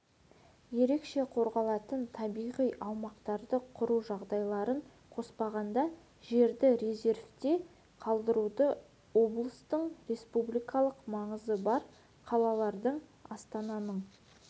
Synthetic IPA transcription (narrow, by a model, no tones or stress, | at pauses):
je̞ɾe̞kʃe̞qʰo̞ɾʁɑlˠɑt̪ənt̪ʰɑbijʁijʔɑwmɑqt̪ɑɾd̪əqʰʊɾuʒɑʁd̪ɑjlˠɑɾəɴ | qʰo̞spɑʁɑnd̪ɑ | ʒe̞ɾd̪ɪɾeze̞rft̪e̞ | qʰɑlˠd̪əɾud̪ə | wo̞blˠəst̪əɴɾe̞spublijkɑlˠəqmɑɴəzəbɑɾ | qʰɑlˠɑlˠɑɾd̪əɴɑst̪ɑnɑnəɴ